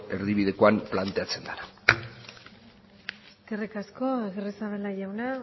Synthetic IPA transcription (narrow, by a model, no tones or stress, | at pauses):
e̞ɾðiβiðe̞koamplant̪e̞at͡se̞nd̪ana | eske̞rikasko̞eɣeresaβelaʝawna